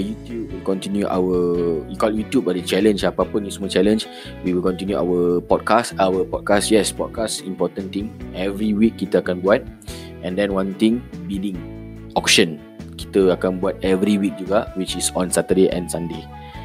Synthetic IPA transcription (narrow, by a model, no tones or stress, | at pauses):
jut̪jub̚wilkɔ̃ntinjuʔa̰wəjukɔljut̪jubadət͡ʃɛlə̃nd͡ʒapapũnjismɔt͡ʃɛlə̃nd͡ʒ | wiwilkɔ̃nt̪injua̰wəpɔd̚kastawəpɔd̚kasjɛspɔd̚kasĩmpɔtə̃nt̪ĩŋɛvɾiwikːit̪əakãnbuat̪̚ | ʔɛ̃ndɛ̃nwãnt̪ĩŋbilĩŋ | ɔkʃə̃n | ki̥t̪əakãnbuat̪̚ɛvɾiwik̚d͡ʒuɡawit͡ʃisɔ̃nsat̪ədeʔɛ̰̃nsãnde